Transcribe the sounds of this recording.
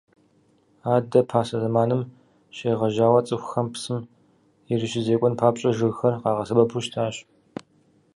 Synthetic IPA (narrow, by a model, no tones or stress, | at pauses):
aːdɐpʰaːsɐzɐmaːnɨm | ʃeːʁɐʒaːwɐt͡sʼɨxʷxɐmpsɨm | jɪrɨʃɪzeːkʷʼɔnpʰaːpɕʼɐʒɨɣxɐrqɑːʁɐsɐbɐpʰuʃtʰaːɕ